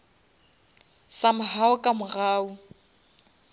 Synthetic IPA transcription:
samʊɦaʊkʼamʊɣaːʊ

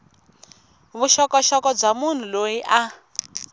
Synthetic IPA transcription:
βuʃɔkɔʃɔkɔb͡ʐamun̤ulojiʔa

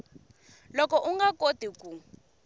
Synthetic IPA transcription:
lɔkɔʔuŋɡakotikʼu

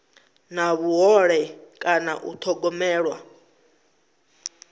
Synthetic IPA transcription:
naβuɦɔɺɛkʼana̰ʔṵt̪ʰɔɡɔmɛːɺwa̰

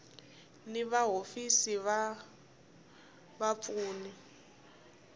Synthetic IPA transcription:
nɪβaɦofisiβa | bap̪fuːni

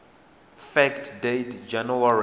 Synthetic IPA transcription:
fɛktʰdetd͡ʒanuwaɹ

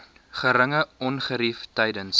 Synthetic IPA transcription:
χəɾəŋəɔnχəɾiftɛjdəns

